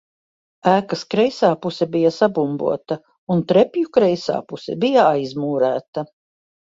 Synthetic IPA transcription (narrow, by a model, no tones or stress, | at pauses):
æːkɐskɾɛjsaːpusɛbijɐsabumbṵɔt̪ɐ | unt̪ɾɛpʲjukɾɛjsa̰ːpusɛ̰bijaajzmuːɾæːt̪ɐ